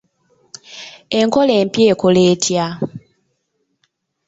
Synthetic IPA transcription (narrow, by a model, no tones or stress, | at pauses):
e̞ŋko̞leːmpje̞ːkole̞ːtʰja